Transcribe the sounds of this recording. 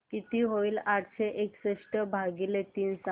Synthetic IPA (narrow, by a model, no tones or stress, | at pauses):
kit̪iːɦoiːlaʈʰɕeʔeksəʂʈəbʱaɡilet̪iːnsa